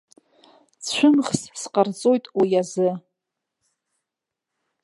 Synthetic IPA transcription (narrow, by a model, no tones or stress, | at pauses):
t͡ɕʷʰʊmχssqʼart͡sʼo̞jtʼwijazɨ